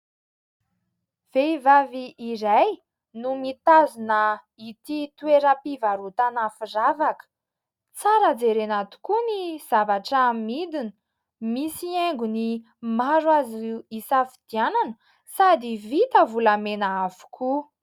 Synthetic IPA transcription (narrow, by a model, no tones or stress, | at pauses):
v̥eivaviːɾaj | numit̪azunə | it̪it̪uweɾəpivaɾut̪anafiravakə̥ | t͡saɾad͡zeɾenat̪u̥kuniz̥avaʈ͡ʂːmmid̪inə | misieŋɡuni | maɾwaziisafid̪̥iananə̥ | sad̪ivit̪əvulamenəafu̥kʰu